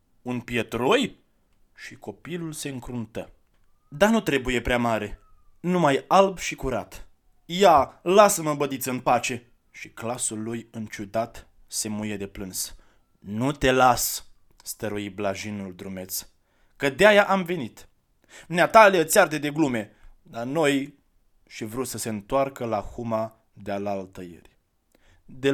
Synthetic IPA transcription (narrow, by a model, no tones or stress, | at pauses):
unpijet̪ɾoj | ʃiko̞pilulse̞ɨŋkɾunt̪ə | d̪anut̪ɾe̞buje̞pɾeamaɾe̞ | numajalbʃikuɾa̰t̪ | jalasəməbəd̪it̪sɨnpat͡ʃe̞ | ʃiklasulːujɨnt͡ʃud̪at̪ | se̞mujed̪e̞pɾɨns | nut̪e̞las | st̪əɾuiblaʒinuld̪ɾume̞t̪s | kəd̪eajaʔamvenit̪ | mneat̪aleət̪seard̪ed̪e̞ɡlume̞ | lano̞j | ʃivɾut̪səse̞ɨnt̪oarkəlahuma | d̪ealalt̪əjḛrʲ | d̪e